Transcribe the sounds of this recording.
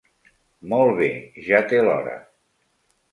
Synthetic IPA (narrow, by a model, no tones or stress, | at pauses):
mɔlˠβ̞eʒat̪elɔɾə̰